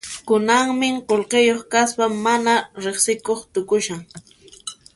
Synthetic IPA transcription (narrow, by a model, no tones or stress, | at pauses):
kʊnaŋmɪqolqejoχkaspamːanaɾeχsɪkoχt̪ʊkʊʃaŋ